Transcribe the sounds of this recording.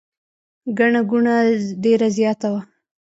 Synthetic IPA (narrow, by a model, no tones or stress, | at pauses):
ɡaɳaɡuɳaɖeɾazjɑt̪awa